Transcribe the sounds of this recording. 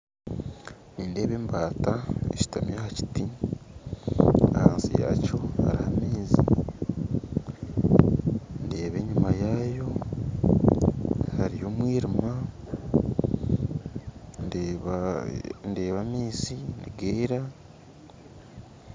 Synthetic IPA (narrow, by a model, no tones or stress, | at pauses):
niːnde̞ːβe̞ːmbaːtaḛci̥tamjahaci̥ti | a̰ha̰ːnsḭja̰co̞haɾihamiːzḭ | nde̞ːβe̞ɲumajaːjo̞ | haɾijo̞ːmwiːɾima | nde̞ːβamiːziniɡeːɾa